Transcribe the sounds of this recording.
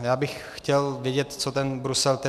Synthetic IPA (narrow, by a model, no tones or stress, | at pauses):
jaːbɪx | xcɛlvjɛɟɛt̪t͡sot̪ɛnbɾusɛlt̪ɛ